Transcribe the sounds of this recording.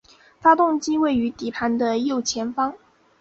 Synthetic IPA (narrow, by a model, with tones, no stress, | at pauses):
fa˥t̪ʊ˥˧ŋt͡ɕi˥we˥˩ɪy˧˥t̪i˨˩pʰa˧˥nd̪ə˧jo˥˩ʊt͡ɕʰjɛ˧˥nfɑ˥ŋ